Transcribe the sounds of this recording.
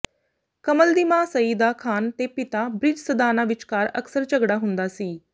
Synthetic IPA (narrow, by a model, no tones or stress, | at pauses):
kəməld̪imãːsəiːd̪aːkʰaːnt̪eːpɪt̪aːbɾɪd͡ʒsəd̪aːnaːʋɪt͡ʃkaːɾə̰ksəɾt͡ʃəɡɽaːɦʊ̃nd̪aːsiː